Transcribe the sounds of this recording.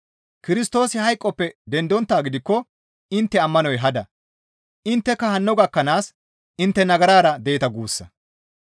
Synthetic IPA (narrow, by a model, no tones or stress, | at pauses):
kɪɾɪst̪o̞ːsɪhɐjkʼːɔpːɛd̪ɛnd̪ɔnt̪ːaːɡɪd̪ɪkːɔ | ɪnt̪ːɛɐmːɐnɔjɦɐd̪ɐ | ʔɪnt̪ːɛkːɐhɐnːɔɡɐkːɐnaːs | ɪnt̪ːɛnɐɡɐɾaːɾɐd̪ɛjɪt̪ɐɡuːsːɐ